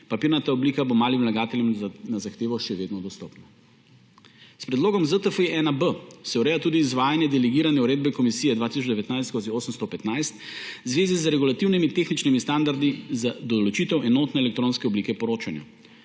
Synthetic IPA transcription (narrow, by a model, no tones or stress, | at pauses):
papiːɾnat̪aɔbliːkabomaːlimlaɡaːt̪ɛljɛmnazaxt̪eːʋɔʃɛʋeːd̪nɔd̪ɔst̪ɔpna | spɾɛd̪loːɡɔmzət̪əfeʔɛnabəsɛɔɾɛjat̪uːd̪iːzʋaːjanjɛd̪ɛlɛɡiːɾanɛuɾeːd̪bɛkɔmisiːjɛd̪ʋaːt̪isɔd͡ʒd̪ɛʋɛt̪najst̪koːzioːsəmst̪ɔpɛt̪najst̪zʋeːzizɾɛɡulat̪iwnimit̪eːxnit͡ʃnimist̪and̪aɾd̪izad̪ɔlɔt͡ʃit̪ɛwʔɛnɔːt̪nɛɛlɛk̚t̪ɾõːnskɛɔbliːkɛpɔɾoːt͡ʃanja̰